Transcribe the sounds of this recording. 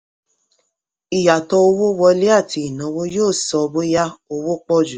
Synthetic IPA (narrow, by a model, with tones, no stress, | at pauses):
i˨ja˨tɔ˧o˧wo˦wɔ˧le˦a˦˨ti˧i˨nɔ̃˨˦wo˦joː˦˨sɔ˧bo˦ja˦o˧wo˦k͡pɔ˦˨d͡ʒu˨